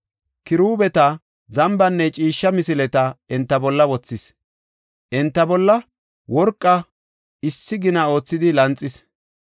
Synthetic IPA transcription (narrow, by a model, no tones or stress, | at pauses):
kɪɾuːbɛt̪ɐ | zɐmbɐnːɛt͡ʃʼiːʃːɐmɪsɪlɛt̪ɐɪnt̪ːɐbɔlːɐwɔt͡sːɪs | ʔɪnt̪ːɐbɔlːɐ | wɔɾkʼːɐ | ɪsːɪɡɪnɐo̞ːt͡sːɪd̪ɪlɐnt͡sʼːɪs